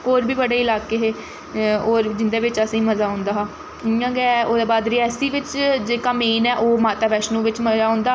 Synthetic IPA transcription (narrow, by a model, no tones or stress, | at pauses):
oːɾbiːbəɽeːɪlaːkeːɦeː | oːɾd͡ʒɪnd̪eːʋɪt͡ʃəsĩːməzaːɦʊ̃nd̪aːɦaː | ɪãːɡɛːoːd̪eːbaːd̪ɾiːɛːsiːʋɪt͡ʃd͡ʒeːkaːmeːnɛːʔoːmaːt̪aːʋɛːʃnũːʋɪt͡ʃməzaːɦʊ̃nd̪aː